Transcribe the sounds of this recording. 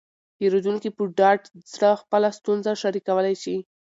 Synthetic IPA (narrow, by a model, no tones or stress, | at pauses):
jeɾod̪uŋkipəɖɑʈzɽəxpəlast̪unzaʃaɾikawəlajʃi